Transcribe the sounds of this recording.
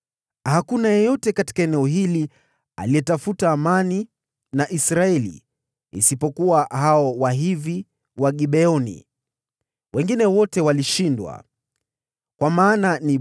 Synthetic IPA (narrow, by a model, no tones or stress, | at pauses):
hakunajɛjɔtɛkati̥kaɛnɛɔɦili | a̰lijɛtafutaːmani | naʔisɾaɛlḭː | sipɔkuwaɦaɔwaɦivi | waɠiɓɛɔnḭ | wɛŋɡinɛwɔtɛwaliʃindwa̰ | kwamaːnani